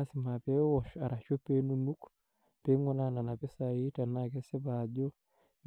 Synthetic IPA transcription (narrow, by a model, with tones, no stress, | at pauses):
a˦si˨ma˨pe˦wɔ˨ʃa˨ɾa˨t͡ʃo˦pe˦nu˦nu˦k | pe˨˦ŋɡo˦na˨na˨na˨pe˦sa˨ji˦ta˨na˦˨ke˦se˦ba˨d͡ʒo˦